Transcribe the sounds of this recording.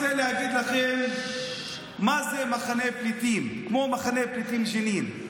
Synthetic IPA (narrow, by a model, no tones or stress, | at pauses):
elehaɡid̪laχen | mazemaχaneplit̪imkmo̞maχaneplit̪imʃenin